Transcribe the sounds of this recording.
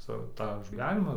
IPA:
ˈsɐʊ tɑː ɡʲiːˈʋʲæːnʲɪmɑː

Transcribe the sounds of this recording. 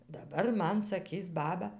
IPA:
dɐˈbɐr ˈmɐn sɐˈkʲiːs ˈbɑːbɐ

